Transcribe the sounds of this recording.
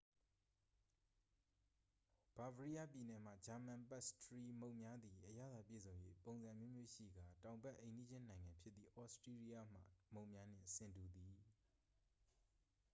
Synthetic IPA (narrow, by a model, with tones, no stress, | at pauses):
b̥a˨vɹi˦ja˦˨pji˨nɛ˨m̥ä̰˦˨d͡ʑa˨mã˨mpɛ˦˨stəɹi˦mõ˦˨ʊʔmja˦d̪i˨ʔəja̰˦˨d̪a˨pjḛ˦˨zõ˨ʊ̃jḛ˦põ˨ʊ̃nzã˨mjo˦mjo˦˨ʃḭ˦˨ɡa˨tã˨ʊ̃mbɛ˦ʔẽ˨ndi˦d͡ʑɪ̃˦nã˨ɪ̃ŋã˨mpʰjɪ˦t̪ːi˨ʔɔ˦ʔstɹe˦li˦ja˦m̥a̰˦˨mõ˦˨mja˦n̥ɪ̰̃˦˨sɪ̃˨ntu˨d̪i˨